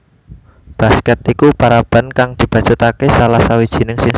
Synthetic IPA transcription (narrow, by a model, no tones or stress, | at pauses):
b̥a̤skɛt̪ikupaɾab̥a̤nkaŋd̪̥i̤b̥a̤̥t͡ʃut̪akesalahsawid̥ʒ̥i̤nɪŋsɪŋ